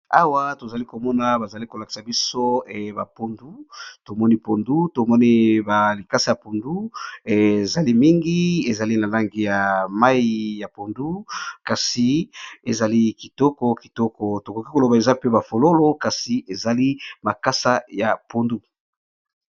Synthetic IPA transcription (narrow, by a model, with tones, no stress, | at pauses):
a˦wa˦to˨za˨li˦ko˨mɔ˦na˨ba˨za˨li˦ko˨la˨ki̥˨sa˨bi˦so˦ɛ˨ba˨po˦ndu˦to˨mɔ˦ni˦po˨ndu˦to˨mɔ˦ni˦ba˨li˨ka˦sa˨ja˨po˨ndu˦e˨za˨li˦mi˦ŋɡi˦e˨za˨li˦na˨la˦ŋɡi˨ja˨ma˦ji˦ja˨po˨ndu˦ka˨si˨e˨za˨li˦ki˨tɔ˦kɔ˦ki˨tɔ˦kɔ˨to˨ko˨ki˦ko˨lo˨ba˨e˨za˦pe˦ba˨fo˨lo˦lo˦ka˨si˨ʔe˨za˨li˦ma˨ka˦sa˦ja̰˨po˨ndu˦